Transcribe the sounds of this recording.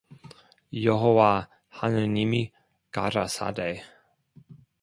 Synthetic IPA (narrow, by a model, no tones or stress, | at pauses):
joɦowa | hanənimi | ka̰ɾasa̰dej